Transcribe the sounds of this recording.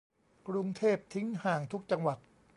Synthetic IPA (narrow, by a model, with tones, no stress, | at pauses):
kɾu˧ŋt̪ʰeː˥˩p̚t̪ʰi˦˥ŋhaː˨˩ŋt̪ʰu˦˥k̚t͡ɕa˧ŋwa˨˩t̪̚